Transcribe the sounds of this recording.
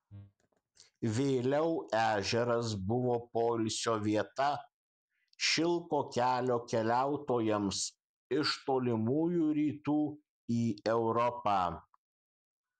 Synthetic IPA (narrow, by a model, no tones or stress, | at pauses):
ʋʲeɪlʲɛʊæːʒʲɛɾɐs̬bʊʋoːpoːlʲsʲoːʋʲiɛt̪ɐ | ʃʲɪlˠkoːkʲæːlʲoːkʲɛlʲæˑʊt̪oːjɛms | ɪʃt̪oːlʲɪmuːjuːɾʲiːt̪uː | iːɛʊɾɔpɑː